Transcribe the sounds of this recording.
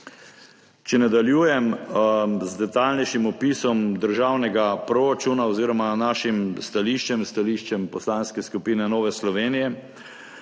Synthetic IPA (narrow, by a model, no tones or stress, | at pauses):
t͡ʃɛnad̪aljuːjɛm | zd̪ɛt̪aːlnɛjʃimɔpiːsɔmd̪əɾʒaːwnɛɡapɾoɾat͡ʃuːnaɔziːɾɔmanaːʃimst̪aliːʃt͡ʃɛmst̪aliːʃt͡ʃɛmpɔslaːnskɛskupiːnɛnɔːʋɛslɔʋeːnijɛ